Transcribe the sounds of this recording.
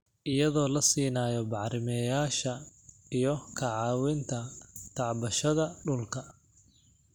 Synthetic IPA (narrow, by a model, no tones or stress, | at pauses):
ʔɪjɐðɔːlɐsiːnaːjɔbɑħɾɪmɛːjaːʃɐijɔkʰɐʕɑːwɪnt̪ʰɐt̪ʰɑʕbɐʃɐðɐɖʊlkʰɐ